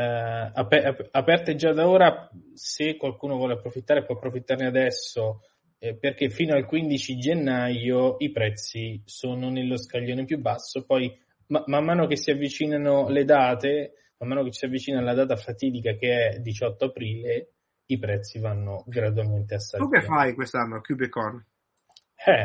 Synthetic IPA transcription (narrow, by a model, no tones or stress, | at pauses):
apɛapɛrt̪ed͡ʒad̪aoːɾa | sekːwalkuːnovwɔːleapːɾofit̪ːaːɾepwɔapːɾofit̪ːarnead̪ɛsːo | perk̟efːiːnoalkwind̪it͡ʃid͡ʒenːajoipɾɛt̪sːisoːnonelːoskaʎːoːnepjubːasːopɔj | mamamːaːnok̟esːiavːit͡ʃiːnanoled̪aːt̪e | mamːaːnokessiavːit͡ʃiːnanolad̪aːt̪afat̪iːd̪ikak̟eɛd̪it͡ʃɔt̪ːoapɾiːle | ipɾɛt̪sːivanːoɡɾad̪walment̪easːaukeffːajkwest̪anːokjubekɔn | ɛ